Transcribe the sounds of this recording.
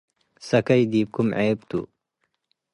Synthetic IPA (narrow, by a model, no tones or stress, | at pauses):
sɐkɐid̪iːp̚kumʕeːbt̪ṵ